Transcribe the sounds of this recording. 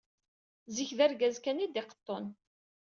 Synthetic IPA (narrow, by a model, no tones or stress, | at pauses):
ziçðæɾɡæzkænid̪ɪqə̥t̪ˤːon